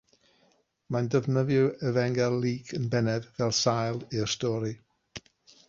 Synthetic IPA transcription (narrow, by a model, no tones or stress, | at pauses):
mandəvnəvjɨɛvɛŋɡɛlˠːiːkʰənbɛnɛdvɛlˠsajlˠiɹstɔɾi